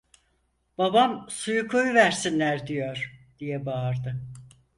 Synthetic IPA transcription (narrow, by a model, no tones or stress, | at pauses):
b̥abamsujukʰo̞juvæɾsinlʲæɾd̪ijo̞ɾ̥d̪̥ijɛbaːɾd̪ɯ